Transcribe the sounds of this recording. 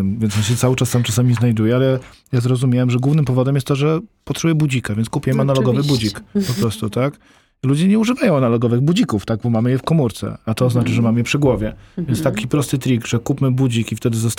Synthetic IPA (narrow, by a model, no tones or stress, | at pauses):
vʲjɛnsjɔ̃ɕɛt̪sawɘt͡ʂasːamt͡ʂasamʲiznajd̪ujɛalɛjazɾɔzumʲjawɛmʐɛɡwuvnɘmpɔvɔd̪ɛmjɛst̪t̪ːɔʐɛpɔt̪ʂujɛbud͡ʑikavʲɛnskupʲjɛmanalɔɡɔvɘbud͡ʑikpɔpɾɔst̪ut̪ak | lud͡ʑɛɲɛuʐɘvajɔ̃w̃analɔɡɔvɘɣbud͡ʑikuft̪aɡ̚bɔmamɘjɛfkɔmuɾt̪sɛ̰at̪ɔːznat͡ʂɘʐɛmamjɛpʂɘɡwɔvʲjɛvʲɛnt̪t̪akʲipɾɔst̪ɘt̪ɾʲiɡʐɛkupmɘbud͡ʑikift̪ɛd̪ɘzɔst̪